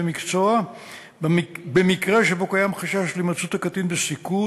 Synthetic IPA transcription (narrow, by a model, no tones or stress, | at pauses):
emikt͡soa | bemikʁe̞ʃebo̞kajamχaʃaʃlimat͡sut̪akat̪inbesiku